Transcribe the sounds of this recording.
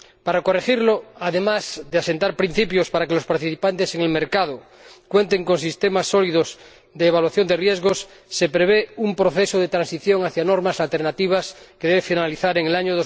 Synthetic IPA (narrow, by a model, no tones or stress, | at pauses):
paɾako̞rexiɾloaðemazðease̞nt̪aɾpɾin̟θipjospaɾakelospaɾt̪iθipant̪eseŋelmeɾkað̞o | kwe̞nt̪e̞ŋko̞nsist̪emasːolið̞os | d̪eːβalwaθjo̞nd̪erjezɣosː | epɾeβ̞eumpɾoθesoðet̪ɾãnsiθjo̞ŋaθjanoɾmasalt̪e̞ɾnat̪iβ̞askeðeβefinaliθaɾeŋelaɲoðo